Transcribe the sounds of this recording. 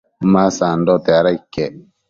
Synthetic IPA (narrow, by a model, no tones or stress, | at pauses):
masaːndɔtɛaɾaikːɛ